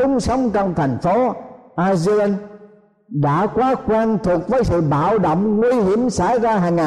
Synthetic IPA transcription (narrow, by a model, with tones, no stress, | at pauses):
ʊ˨˦ŋ͡msə˨˦wŋ͡mt͡ɕɔ˧wŋ͡mt̪ʰa˨˩ŋ̟fo˨˦ʔaː˧zi˧la˧n | ɗa̰ː˧˥kwaː˨˦kwaː˧nt̪ʰu˨˩ək̚vəː˨˦jsɨ̰˧˨ɓa̰ː˧˨wɗə̰˧˨wŋ͡mŋwi˧ɦi˧˩əmsa̰˧˩˦jzaː˧ɦaː˨˩ŋaː˨˩